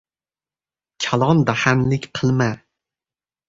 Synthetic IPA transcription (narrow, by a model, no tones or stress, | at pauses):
kʲʰalˠɒnd̪ahanlɪkʲqʰɨlˠma